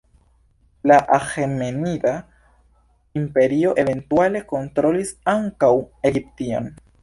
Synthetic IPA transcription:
laʔaxemenida | impe̞ɾio̞ʔe̞ve̞ntuale̞ko̞ntɾo̞lisaŋkawe̞ɡiptio̞̰n

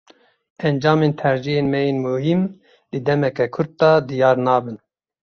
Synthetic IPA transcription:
ʔɛnd͡ʒɑːmeːnt̪ʰɛɾʒijeːnmɛjeːnmuhim | d̪ɨd̪ɛmɛkɛkʰʊɾd̪̚d̪ɑːd̪ijɑːɾnɑːbɨn

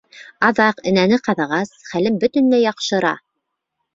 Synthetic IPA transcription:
ɑðɑqɘ̆nænɘqɑðɑʁɑsχælɘmbɵ̆t̪ɘ̆nlæjɑqʃɤ̆ɾɑ̰

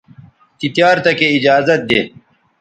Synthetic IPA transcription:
t̪it̪jaːɾt̪ɐkeid͡ʑaːzɐt̪̚d̪ḛː

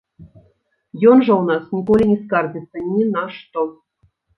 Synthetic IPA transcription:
jonʐɤ̆unɑsnʲikolʲinʲiskɑrdʲit͡sːə̆nʲinɑʂt̪o

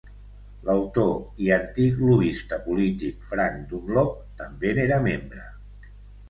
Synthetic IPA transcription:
ləwt̪oiənt̪ikluβist̪əpulit̪ik̚fɾaŋd̪umlɔp̚t̪əmbeneɾəmembɾə

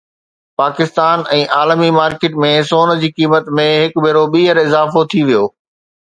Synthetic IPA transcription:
paːkɪst̪aːnɛ̃ːʔaːlmimaːɾkeːʈmẽsoːn̆d͡ʑiːkiːmət̪mẽɦɪkbʱɪɾoɓiːɦəɾɪzaːfot̪ʰiʋijoː

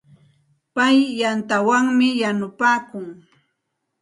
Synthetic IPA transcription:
pajːant̪awaŋmɪjanʊpaːkʊŋ

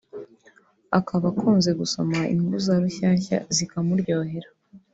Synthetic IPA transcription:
akaβakʰuːnze̞ɡuso̞maḭŋɡuzaɾuçaːɲça̰zikamuɾɟo̞ːɦe̞ɾa

